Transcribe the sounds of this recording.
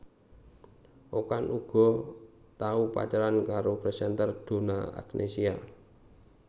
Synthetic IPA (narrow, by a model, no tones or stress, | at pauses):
ʔokanʔuɡ̥ɔ̤ | t̪aupa̰t͡ʃaɾankaɾopɾesɛnt̪ərd̪̥o̤na̰a̰knʔesia